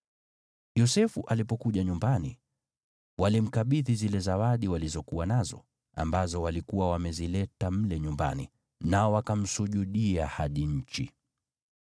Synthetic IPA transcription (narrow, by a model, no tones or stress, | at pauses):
jɔsɛfuʔalipɔkuʄaɲumbani | walim̩kaɓiðizilɛzawaɗiwalizɔkuwanazɔ̰ | a̰mbazɔwalikuwawamɛzilɛtam̩lɛɲumba̰ni | naɔwakam̩suʄuɗiahaɗiɲ̩t͡ʃḭ